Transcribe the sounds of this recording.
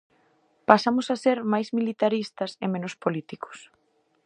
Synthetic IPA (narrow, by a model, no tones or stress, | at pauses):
pasamʊsaseɾmajzmilit̪aɾist̪ɐsemẽnʊspolit̪ikʊ̥s